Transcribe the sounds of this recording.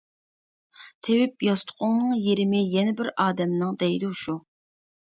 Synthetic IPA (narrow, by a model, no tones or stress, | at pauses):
t̪ʰewɪp̚jɑst̪ʰʊ̥qʰʊŋnɨŋjeɾɪmɪjɛnɛbɪɾɑːd̪ɛmnɨŋd̪ɛjd̪uʃu